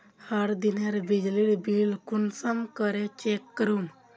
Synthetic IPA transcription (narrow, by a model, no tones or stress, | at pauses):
haɽd̪inaɾbid͡ʑliɽbilkunsamkəɾet͡ɕekːəɾuːn